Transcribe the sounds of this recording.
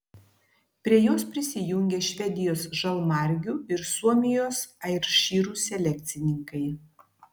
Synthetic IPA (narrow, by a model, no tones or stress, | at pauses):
pʲɾʲiɛjoːspʲɾʲɪsʲɪjʊŋʲɡʲeːʃʲʋʲɛd̪ʲɪjoːsʒɐlˠmɑˑɾʲɡʲuɪɾsuɔmʲɪjoːsɐɪɾʃʲiːɾuːsʲɛlʲɛk̚ʲt̪sʲɪnʲɪŋkɐɪ